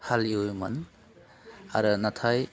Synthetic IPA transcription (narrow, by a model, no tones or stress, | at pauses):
haliujma̰n | a̰ɾɯnatʰaj